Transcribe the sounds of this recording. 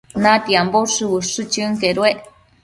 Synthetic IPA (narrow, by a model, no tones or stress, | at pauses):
nat̪iamboʂɨwɨʂɨt͡ʃɨŋkeɾweʔ